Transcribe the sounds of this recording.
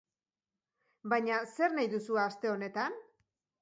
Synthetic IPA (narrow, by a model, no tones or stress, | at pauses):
bajɲase̞ɾnajðusuast̪e̞o̞ne̞t̪an